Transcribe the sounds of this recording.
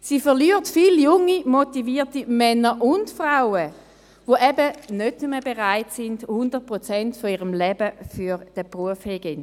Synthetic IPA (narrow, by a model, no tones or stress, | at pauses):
siːfɛʁlyːəʁtfiljʊŋːimotiviːtimɛnəʔʊndfʁaʊə | voʔɛbənøtnuməbeʁaɪtsind̥hʊndəʁt̚pʁot͡sɛntfoiːʁəmlɛbəfyʁd̥əpʁuəfheɡɛn